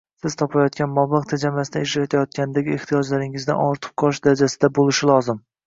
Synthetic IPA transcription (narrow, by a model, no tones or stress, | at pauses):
sɪz̥t̪ʰɒpʰajɒt̪̚kʲanmɒblɑqt̪ʰad͡ʒamasɪnɪeʃɾat̪ʰajɒt̪̚kʲanɪd̪aɡʲɪe̞ht̪ʰijɒd͡ʒlaɾɪŋɪzd̪a̰nɒɾt̪ʰɨ̥p̚qʰɒʃd̪aɾad͡ʒasɪd̪abolɪʃɪlˠɒzɪm